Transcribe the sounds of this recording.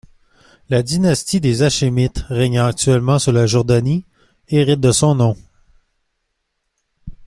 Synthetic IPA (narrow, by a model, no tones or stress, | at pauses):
lad̪inast̪id̪ezaʃemɪt̪ʁɛɲɑ̃ak̚t̪ɥɛlmɑ̃suʁlaʒɔʁd̪ani | eʁɪt̪̚d̪əsɔ̃nɔ̃